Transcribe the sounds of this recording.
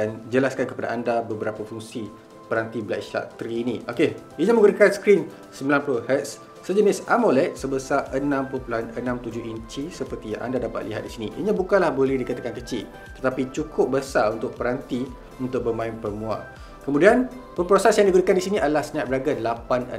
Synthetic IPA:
and͡ʒəlaskankəpada̰ʔandabəbəɾapafuŋsi | pəɾant̪ibəlaʔisa̰ʔt̪ɾiːnĩokeiɲə̃məŋɡuɾikanskɾin | səmbilanpulʊhɛt̪sː | əd͡ʒənɪsamolɛt̪̚səbəsaʔənãmppuluɦanənãmt̪ud͡ʒʊɦiɲt͡ʃisəpərt̪ija̰ŋʔa̰ndadapa̰t̪̚liɦa̰t̪̚disiniʔḭɲãbukanlahbolɛhdikat̪akankət͡ʃɪʔ | t̪ət̪apit͡ʃukʰʊp̚bəsaunt̪ʊk̚pəɾant̪i | unt̪ʊk̚bəmãɪnpərmũa̰ | kəmudianpəmpɾosɛsjãŋdiɡuɾikandisiniʔadəlahsəɲaʔ̚bəɾaɡənlapanə̰

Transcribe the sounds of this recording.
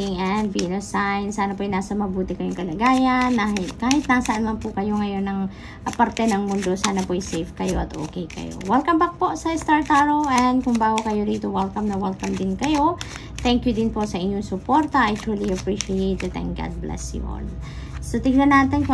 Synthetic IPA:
ɪŋɛnd̪vinosajnsaːnɐpojnaːsɐmɐbuːt̪ɪkɐjoŋkɐlɐɡaːjɐnːaɦɪt̪̚kaːhɪt̪̚nasɐʔanmɐnpʊkɐjo̞ŋɐjo̞nːɐŋ | ʔɐpɐɾt̪ɛnɐŋmʊnd̪o̞saːnɐpoʔɐjsɛjfkɐjo̞ʔɐt̪ʔo̰ːkɛjkɐ̰jo̰wɛlkɐmbɐk̚poʔsɐɪst̪aɹt̪aɹoʔɛnd̪̚kʊŋbaːɡokɐjo̞d̪iːt̪owɛlkɐmnɐwɛlkɐmd̪ɪnkɐjo̞ | t̪ɛŋkjʊd̪ɪnpo̞ʔsɐʔɪɲːoŋsʊpoɾt̪ɐʔajt̪uliɐpɹiʃɪejt̪̚ːɐt̪ɛ̰ŋk̚ɡa̰d̪̚blɛ̰sjʊ̰n | sot̪ɪɡ̚nɐnaːt̪ɪnk

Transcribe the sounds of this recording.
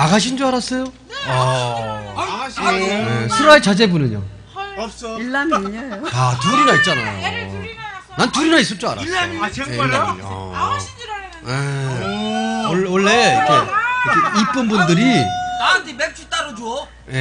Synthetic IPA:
aɡaɕ̬ʰind͡ʑoaɾas͈ʌjo | ʌ | jesʰuɾoaet͡ɕad͡ʑe̞bunɯɲo̰ | ilːamiɲajoatuɾinait̚t͡ɕ͈ana̰jo̰ | nantuɾinais͈ʌt͡ɕ͈oa̰ɾa̰jeiɭːamiʌ̰ | je | owʌɭːe̞ik͈eikeip͈ɯnbundɯɾiandimek̚t͡ɕ͈ʰut͈aɾod͡ʑuo | je

